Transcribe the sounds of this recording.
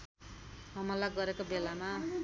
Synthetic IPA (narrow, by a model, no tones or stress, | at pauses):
ɦʌmʌlaɡʌɾekobelama